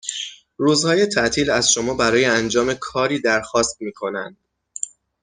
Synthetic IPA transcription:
ɾuːzhɒːje̞t̪ʰæʔt̪ʰiːlæz̥ʃo̞mɒːbæɾɒːje̞ænd͡ʒɒːme̞kʰɒːɾiːd̪æɾxɒːst̪̚miːkʰo̞nænd̪̥

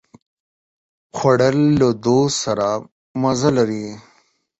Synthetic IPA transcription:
xwaɽəlːod̪osaɾa | mɐzalaɾi

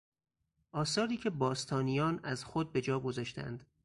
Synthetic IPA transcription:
ʔɒːsɒːɾiːcʰe̞bɒːst̪ʰɒːnijɒːnæzxod̪̚be̞d͡ʒɒːɡo̞zɒːʃt̪æ̰nd̪̥

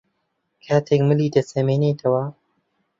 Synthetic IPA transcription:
kʰaːt̪ʰekmɨliːd̪ɐsɐmeːneːt̪ʰɐwa

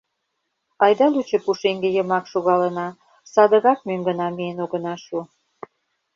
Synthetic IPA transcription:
ɑjd̪ɑlut͡ɕə̆puʃeŋɡejəmɑkʃoɣɑlənɑ | sɑd̪ə̆ɣɑk̚møŋɡənɑmienoɣə̆nɑʃu

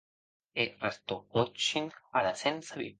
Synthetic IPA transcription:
erast̪oot͡ʃinalasensaβḭ

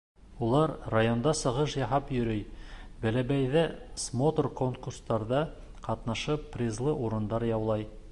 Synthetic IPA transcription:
ulˠɑɾrajo̞nd̪ɑsɤ̆ʁɤʃjɑɦɑpjɵ̆ɾɵjbæ̆læbæjðæsmot̪orkoŋkurst̪ɑɾðɑ | qɑt̪nɑʃɤpːrʲizlˠɤʔuɾɤ̆nd̪ɑɾjɑwlˠɑj

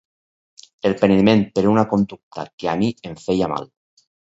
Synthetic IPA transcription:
elpenmẽnpeɾunakond̪uk̚t̪a̰keamieɱfejama̰l

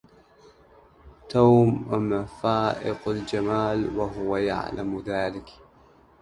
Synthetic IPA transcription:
t̪aːmmafaːʔɪqald͡ʒamaːlwaɦʊwaja̰ʕlamðaːlɪk

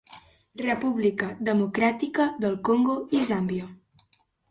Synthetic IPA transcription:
rəpuβlikəðəmukɾat̪ikəðəlˠkoŋɡoizambjo

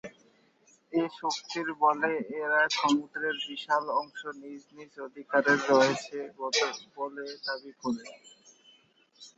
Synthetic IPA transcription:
eʃokt̪iɾbɔleeɾaeʃɔmud̪ɾeɾbiʃalɔŋʃonid͡ʑnid͡ʑod̪ʱikaɾeɾːɔet͡ɕʰeɡɔt̪oboled̪abikoɾe

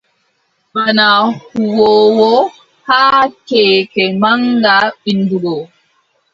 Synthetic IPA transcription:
banahuwɔːwɔ | haːkɛːkɛmaŋɡaɓinduɾɔ

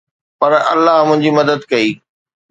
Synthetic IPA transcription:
pɐɾɐ̰lːaɦmʊ̃ɦɪ̃ɲd͡ʑimɐd̪əd̪kɐiː

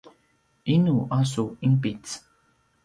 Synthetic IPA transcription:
inuʔasuimpit͡s

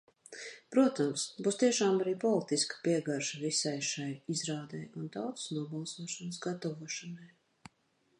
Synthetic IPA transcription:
pɾuɔt̪amsbuːst̪iɛʃaːmaɾiːpɔlˠit̪iskḁpiɛɡaɾʃavisajʃajizɾaːd̪ɛ̰jund̪awt̪snuɔbɑlˠsuɔʃansɡat̪ɔvuɔʃɐnaj

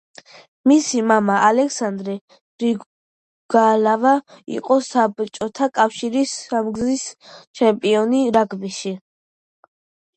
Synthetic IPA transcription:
misimamaʔalɛkʰsand̪ɾɛ | ɾi | ɡ̥alavaḭqʼɔsabt͡ʃʼɔt̪ʰakʼafʃiɾisamɡzist͡ʃʰɛmpʼiɔniɾaɡbiʃi

